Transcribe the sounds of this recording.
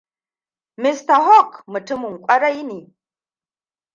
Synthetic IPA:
mi˨sta˨ho˦˨kmɨ˨tɨ˦mu˨ŋ˨kʷʼa˦ɾa˦i˦ni˨

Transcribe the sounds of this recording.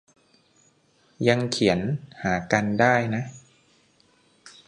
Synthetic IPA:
ja˧ŋkʰi˩˦ənhaː˩˦ka˧ndaː˥˩jna˦˥ʔ

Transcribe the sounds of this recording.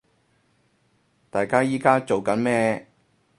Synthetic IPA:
t̪aː˨jkaː˥jiː˥kaː˥t͡ʃo˨wkɐ˨˥nmɛː˥

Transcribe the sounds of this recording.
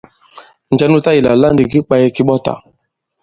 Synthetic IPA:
n˨d͡ʒa˦nu˦ta˦ji˨la̰˨la˦ndi˨ki˦k͡pa˦jɛ˦ki˦ɓɔ˦ta̰˨

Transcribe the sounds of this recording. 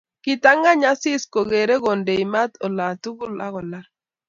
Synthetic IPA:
kɪ˨ta˦ŋɡa˦ɲa˦sɪ˦sko˨ɡe˨ɾe˦ɡɔ˨nde˨jma˦t̪ɔ˨la˨tu˦ɡʊ˦la˦ɣɔ˨la˦

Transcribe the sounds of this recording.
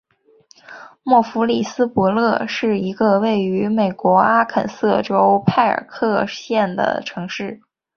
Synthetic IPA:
mwɔ˥˩fu˧˥li˥˩sɹ̩˥pɔ˧˥lɤ˥˧ʂɻ̩˥˩i˧˥ɡə˧we˥˩ɪy˧˥me˨˩ɪkwɔ˧˥a˥kʰə̰˨˩nsɤ˥˩ʈ͡ʂo˥ʊpʰa˥˩ɪə̰˞˨˩kʰɤ˥˧ɕjɛ˥˩nd̪ə̰˩ʈ͡ʂʰɤ˧˥ŋʂɻ̩˥˩

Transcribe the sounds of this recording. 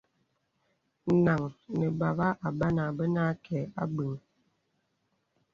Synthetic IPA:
na˨ŋnə˨ba˨βa˦ʔa˨ba˦na˨bə˦na˦kʰɛ˨a̰˦bʉ˨ŋ

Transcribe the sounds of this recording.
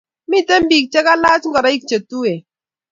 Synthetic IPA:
mi˦˨tɛ˦m˦biː˨k̚t͡ʃɛ˦ka˦laː˦t͡ʃŋɡɔ˨ɾa˦i˦k̚t͡ʃe˨tu˦e˨

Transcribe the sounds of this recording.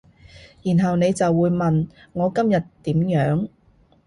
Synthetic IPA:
jiː˨˩nɦɐ˨wne˨˧jt͡sɐ˨wːuː˨˧jmɐ˨nŋɔː˨˧kɐ˥mjɐ˨tt̪iː˨˥mjœː˨˥ŋ

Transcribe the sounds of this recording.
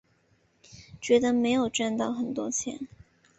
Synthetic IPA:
t͡ɕɥɛ˧˥d̪ə˧me˧˥ɪjo˨˩ʊʈ͡ʂa˥˧nt̪ɑ˥˩ʊxə˨˩nt̪wɔ˥t͡ɕʰjɛ̰˧˥n

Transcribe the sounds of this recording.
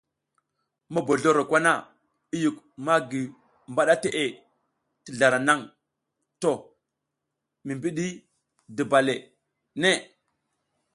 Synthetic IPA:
ma˦bo˨ɮo˦ɾo˨kʷa˦na˦ | i˦ju˨k | ma˦ɡi˨ | mba˦ɗa˦te˨ʔe˦ | ti˨ɮa˨ɾa˨na˦ŋ | to˨ | mi˨mbi˦ɗi˦ | di˨ba˨le˨ | ne˦

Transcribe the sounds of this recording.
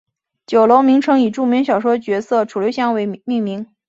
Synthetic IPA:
t͡ɕjo˨˩ʊlo˧˥ʊmi˧˥ŋʈ͡ʂʰɤ˥ŋi˨˩ʈ͡ʂu˥˩mjɛ˧˥nɕjɑ˨˩ʊʂwɔ˥t͡ɕɥɛ˧˥sɤ˥˩ʈ͡ʂʰu˨˩ljo˥ʊɕjɑ˥˧ŋwe˧˥ɪmi˥˩ŋmi˧˥ŋ

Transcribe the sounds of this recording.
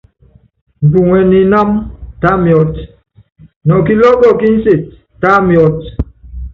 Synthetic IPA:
n̩˨bu˨ŋɛ˨ni˨na˦mta˦mjɔ˦t | nɔ˨ki˦lɔ˦ɡɔ˦˨ki˦n̩˦se˨t̚ː | a˦mjɔ˦t̚

